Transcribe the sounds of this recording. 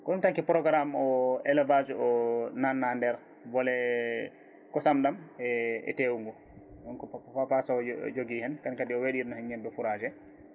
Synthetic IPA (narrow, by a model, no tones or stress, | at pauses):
kɔɗumtaŋkipɾɔɡɾamɔɛlɛvad͡ʒɔnanːandɛɾ | bɔlɛ | kɔsamɗamɛɛ̰tewuŋɡɔ | ɗɔnkɔapapasɔ̰d͡ʒoɡihɛnkankadiɔweɗiɾnɔhɛnɲɛmbɛfuɾad͡ʒɛ